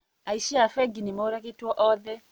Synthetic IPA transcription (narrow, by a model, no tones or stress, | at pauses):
aiʃiafɛɡinimɔɾakitwɔʔɔðɛ